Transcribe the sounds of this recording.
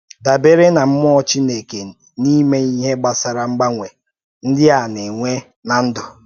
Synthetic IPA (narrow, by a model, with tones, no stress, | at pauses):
da˨be˦ɾe˦na˨m̩˦m˦ɔ˦t͡ʃi˦ne˨ke˨ | ni˦me˦i˦ɦe˦ɡ͡ba˨sa˨ɾa˨ŋ͡m̩˦ɡ͡ba˦ŋʷe˨ | n̩˦dɪ˦a˨ne˨ŋʷe˦ | na˨n̩˦dʊ˨